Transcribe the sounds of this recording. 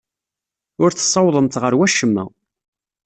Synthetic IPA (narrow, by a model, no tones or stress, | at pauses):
ʊɾθə̥sˤːɑwðˤəmt̪ʁəɾwæʃəmːæ̰